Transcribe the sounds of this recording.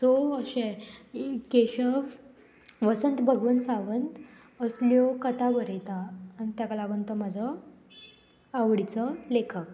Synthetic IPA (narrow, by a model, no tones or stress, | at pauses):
t͡soəɕe | keɕəf | ʋəsənt̪bʱəɡʋənsaʋənt̪ | əsljɔkət̪aʋəɾet̪aːnit̪jakalaɡənt̪əmad͡zʱɔ | aʋɽit͡səlekʰək̚